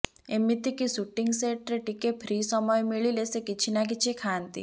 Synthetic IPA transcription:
emːit̪ikisuʈːiŋɡseʈɾeʈikepʰɾiːsɔmɔjmiɭilesekit͡ʃʰinak̬it͡ʃʰikʰant̪ḭ

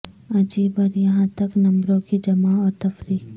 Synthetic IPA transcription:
ɐd͡ʒiːbɔːɾjɐɦãt̪ɐknɐ̃mbɾõkid͡ʒɐmaɔːɾt̪ɐfɾiːk̚

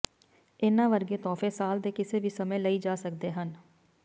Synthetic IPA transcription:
ɪnãːʋəɾɡeːt̪ɔːfeːsaːld̪eːkɪseːʋiːsəmẽːləiːd͡ʒaːsəkd̪eːɦən

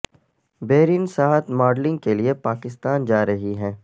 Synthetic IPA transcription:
beːɾiːnsaːɦt̪maːɾɖlɪ̃ŋɡ̚keliepaːkɪst̪aːnd͡ʒaːɾɐɦiɦɛ̃ː

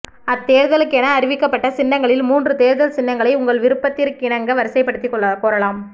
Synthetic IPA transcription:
ɐt̪ːeːɾðɐlɯkːɛnɐːɾɪʋɪkːɐpːɐʈːɐsɪnːɐŋɡɐɭɪlmuːndrɯt̪eːɾðɐlsɪnːɐŋɡɐɭɐɪʊŋɡɐɭʋɪɾɯpːɐt̪ːɪɾkːɪɳɐŋɡɐʋɐɾɯsɐɪpːɐɽɯt̪ːikːɔɭɐkoːɾɐlaːm

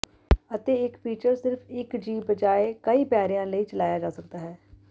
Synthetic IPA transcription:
ət̪eːɪkpiːt͡ʃəɾsɪɾpʰɪkd͡ʒiːbəd͡ʒaːekəiːpɛːɾijãːləiːt͡ʃəlaːjaːd͡ʒaːsək̚d̪aːɦɛː

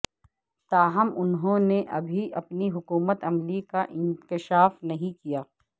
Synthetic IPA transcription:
t̪aːɦɐmʊnɦõneʔɐbʱiʔɐpniɦʊkuːmət̪ɐmlikaʔɪ̃nkɪʃaːfnɐɦĩkijaː

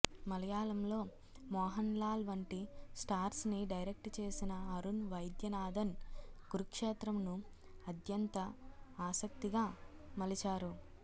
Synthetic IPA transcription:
mɐlɐjaːlɐmlo̞ː | mɔːɦɐnlaːlʋɐɳʈisʈaːɾsniɖɐjɾek̚ʈt͡ʃe̞ːsinɐɐɾunʋɐjd̪jɐnaːd̪ʱɐnɡ̥uɾukʂeːt̪ɾɐmnuɐd̪jɐnt̪ɐaːsɐk̚t̪iɡaːmɐlit͡ʃaːɾu

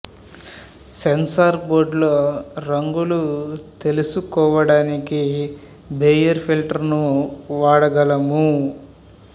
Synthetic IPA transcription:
sensaːɾboːɾɖloːɾɐŋɡulut̪e̞lusukɔːʋɐɽaːniki | beːjɐɾpʰilʈɐɾnuʋaːɽɐɡɐlɐmu

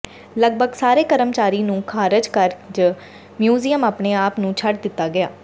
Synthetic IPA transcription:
ləɡ̚bʱəɡsaːɾeːkəɾəmt͡ʃaːɾiːnũːkʰaːɾɪd͡ʒkəɾd͡ʒ | mjuːzijəmaːpɳeːaːpnũːt͡ʃʰəɖd̪ɪt̪ːaːɡɪaː

